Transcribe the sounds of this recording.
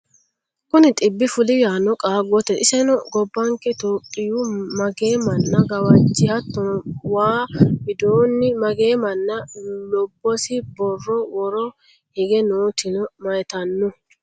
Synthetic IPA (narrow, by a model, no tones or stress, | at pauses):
kʊnɪt̪ʼɪbːɪfʊlɪjaːnɔkʼaːɡɔt̪ɛʔɪsɛnɔɡɔbːɐŋkɛt̪oːpʼːɪjumɐɡeːmɐnːɐɡɐwɐt͡ʃːɪhɐt̪ːɔnwaːbɪd̪oːnːɪmɐɡe̞ːmɐnːɐlɔbːɔsɪbɔrːɔwɔɾɔ | hɪɡɛnuːt̪ɪnɔmɐjt̪ɐnːʊ